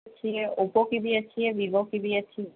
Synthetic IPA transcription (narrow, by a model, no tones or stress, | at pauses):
t͡ɕʰieopokibiat͡ɕʰiebibokibiat͡ɕʰi